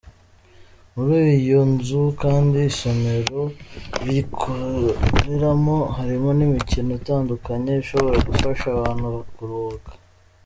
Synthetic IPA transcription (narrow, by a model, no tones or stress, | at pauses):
muɾiːijonzukaːndiːso̞me̞ɾo̞βikʰoɾe̞ɾamo̞haɾimo̞nimicinoitaːndukaɲe̞iʃo̞βo̞ɾaɡufaʃaβaːn̥huβakuɾokḁ